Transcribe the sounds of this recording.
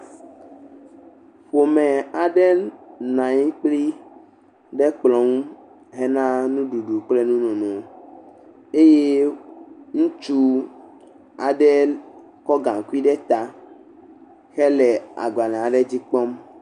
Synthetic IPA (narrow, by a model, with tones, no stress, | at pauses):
ɸo˨mɛ̃˨a˨ɖɛ˦nã˨ɲĩ˦k͡pli˦ | ɖɛ˦k͡plɔ̃˨˦ŋ˦ | ɦɛ˦nã˦nũ˦ɖu˨ɖu˨k͡plɛ˦nũ˦nɔ̃˨nɔ̃˨ | e˦je˦ | ŋũ˦t͡ʃu˦ | a˨ɖɛ˦ | kɔ˦ɡã˨ŋ˨ku˦i˦ɖɛ˦t̪a˦ | xɛ˦lɛ˨a̰˨ɡa˨nã˨a˨ɖɛ˦d͡ʑi˦k͡pɔ˦m